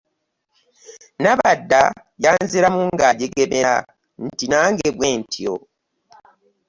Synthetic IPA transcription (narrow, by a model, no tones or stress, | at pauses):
naβadːa | jaːnziɾamuŋɡaɟeɡemea̰ | n̩tinaːŋɡeβweːntʰio̰